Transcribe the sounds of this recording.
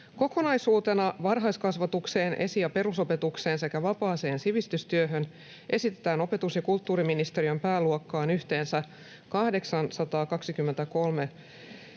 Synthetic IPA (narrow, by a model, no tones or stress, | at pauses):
ko̞ko̞nɑjsuːt̪e̞nɑʋɑrɦɑjskɑsʋɑt̪ukse̞ːnʔe̞̰sijɑpe̞ɾuso̞pe̞t̪ukse̞ːnse̞kæʋɑpɑːse̞ːnsiʋist̪yst̪yøɦø̞n | ʔe̞sit̪et̪æːno̞pe̞t̪usjɑkult̪ːuːɾiminist̪e̞ɾiø̞mpæːluokːɑːnyht̪e̞ːnsæ | kɑhde̞ksɑnsɑt̪ɑːkɑksikymːe̞nt̪æko̞lme̞